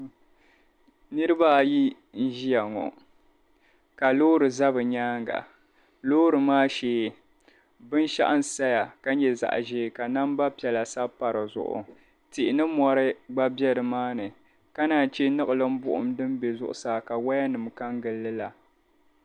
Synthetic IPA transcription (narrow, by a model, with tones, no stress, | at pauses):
nɨ˦ɾɨ˦ba˦ji˦ | n̩˦ʒi˦ja˨ŋɔ̰˨ | ka˨loː˦ɾɨ˨za˦bɨ˨ɲaː˦ŋɡa̰˨ | loː˦ɾɨ˨maː˦ʃeː˨˦˨ | bɨ˦n˦ʃa̰˦ʔa˦n̩˨sa˦ja˨ka˦ɲɛ˨za̰˨ʔʒeː˦˨ka˨na˦m˦ba˦pɛ˨la˨sa˦pa˨ɾɨ˨zʊ̰˨ʔʊ̰˨ | tɪ˨ʔɪ˨nɨ˦mɔ˨ɾɨ˦ɡ͡ba˦bjɛ˦ɾɨ˨maː˦nɨ˨ | ka˦naː˨t͡ʃɛ˦nɨ˦ɣɨ˨lɨ˦m̩˦bʊ̰˦ʔʊ̰˨mdɨ˦m˦be˨zʊ˦ʔʊ̰˦˨saː˨ka˨wa˦ja˦nɨ˨mka˦ŋɡɨ˨lːɨ˦la˨